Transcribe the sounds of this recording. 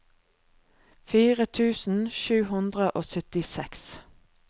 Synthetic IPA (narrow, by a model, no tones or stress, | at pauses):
fiːʁət̪ʰʉːsn̩ʃʉːhʉnd̪ʁəʔoːsœt̪ɪsɛks